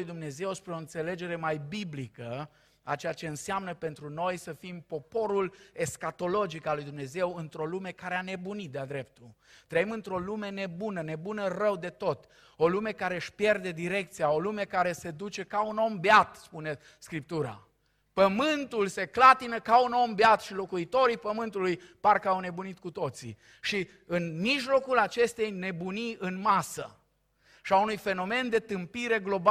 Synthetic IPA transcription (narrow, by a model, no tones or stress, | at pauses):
ujd̪umne̞ze̞wspɾeoɨnt̪se̞le̞d͡ʒe̞ɾe̞majbiblikə | a̰t͡ʃejat͡ʃe̞ɨnseamnəpe̞nt̪ɾuno̞jsəfimpo̞po̞ɾule̞skat̪o̞lo̞d͡ʒikalujd̪umne̞ze̞wɨnt̪ɾo̞lume̞kaɾe̞ane̞bunit̪̚d̪ead̪ɾe̞p̚t̪ult̪ɾəimɨnt̪ɾo̞lume̞ne̞bunəne̞bunərəwd̪e̞t̪o̞t̪ | o̞lume̞kaɾeʃpje̞rd̪e̞d̪iɾe̞k̚t̪sijao̞lume̞kaɾe̞se̞d̪ut͡ʃe̞kauno̞mbeat̪spune̞ | skɾip̚t̪uɾa̰ | pəmɨnt̪ulse̞klat̪inəkauno̞mbeat̪ʃilo̞kuit̪o̞ɾipəmɨnt̪ulujparkəawne̞bunit̪̚kut̪o̞t̪sḭ | ʃi | ɨnmiʒlo̞kulat͡ʃe̞st̪ejne̞buniɨnmasə̰ | ʃiaunujfe̞no̞me̞nd̪e̞t̪ɨmpiɾe̞ɡlo̞b